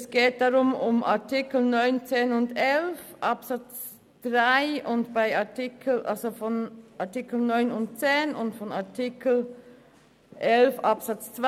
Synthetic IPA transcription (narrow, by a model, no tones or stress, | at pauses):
sɡ̥eːt̚d̥aʁʊmʊmʔa̰ɐtikl̩nɔʏnt͡seːnʊndɛlfʔapsat͡s | d̥ʁaɪʊntb̥aɪaɐtikʰl̩ʔa̰lzofɔnʔaɐtikl̩nɔʏnʊnt̚t͡seːnʊntfɔna̰ɐtʰikl̩ | ʔɛlfʔapsat͡st͡sv̥a